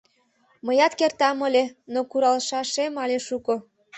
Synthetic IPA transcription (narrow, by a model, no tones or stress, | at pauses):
məjɑt̪kert̪ɑməlʲenokuɾɑlʃɑʃemɑlʲeʃuko